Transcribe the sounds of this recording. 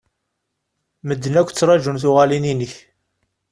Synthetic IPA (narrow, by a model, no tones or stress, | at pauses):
məd̪ːənækʷːt͡sːɾˤɑʒunθuʁælininiç